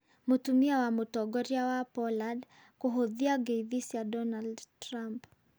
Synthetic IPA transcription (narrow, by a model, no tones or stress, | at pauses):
mutumiawamutɔɡɔɾiawapɔlad | kuɦɔðiaɡɛiðisiadɔnaldtɾamp